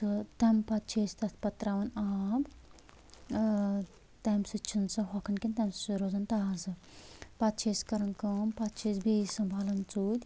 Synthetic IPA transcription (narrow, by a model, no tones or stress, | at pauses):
sɨt̪ɐmpɐt̪̚t͡ʃʰeːst̪ɐt̪ʰpɐt̪ɾaʋɐnaːb | t̪ɐmsɨt͡ʃʰinsɐɦɔkʰɐnkʲint̪ɐmɾozɐnt̪aːzɨ | pɐt̪̚t͡ʃʰeːskɐɾɐnkɐmpɐt̪̚t͡ʃʰeːsbeisɐmbʱaːlɐnt͡suːd̪ʲ